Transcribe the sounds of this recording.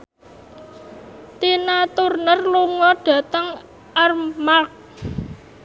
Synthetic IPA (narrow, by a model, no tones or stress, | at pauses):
t̪inat̪urnərluŋɔɖ̥ä̤t̪əŋ | armak̚